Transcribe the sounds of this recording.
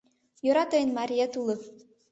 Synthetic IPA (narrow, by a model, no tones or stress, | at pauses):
joɾɑt̪ɤjə̆nmɑɾʲijet̪ulˠɤ